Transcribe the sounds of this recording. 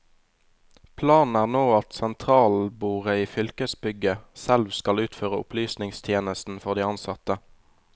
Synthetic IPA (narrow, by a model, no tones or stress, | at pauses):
pʰlɑːnn̩æːʁnoːɑt̪sɛnt̪ʰʁɑːlbuːʁəiːfʏlkəsbʏɡəsɛlʋskɑlʉːt̪føːʁəʊ̰plyːsnɪŋst̪ʰjeːnəst̪n̩fɔʁd̪iːɑnsɑt̪ə